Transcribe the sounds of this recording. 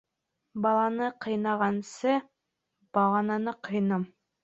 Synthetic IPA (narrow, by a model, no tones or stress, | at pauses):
bɑlˠɑnɤqʰɤ̆jnɑʁɑnsɤ | b̥ɑlˠɑnɤnɤqʰɤ̆jnɤm